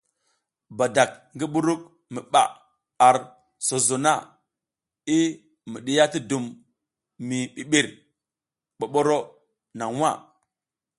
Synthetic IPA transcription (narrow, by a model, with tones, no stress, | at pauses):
ba˨da˨k̚ŋɡi˦ɓu˦ɾu˦k̚ | mi˨ɓa̰˨ | a˨ɾ | so˨zo˨na˦˨ | i˦ | mi˨ɗi˦ja˦ti˦du˨mː | i˨ɓi˨ɓi˦˨ɾ | ɓo˨ɓo˦ɾo˦ | na˨ŋwa̰˦˨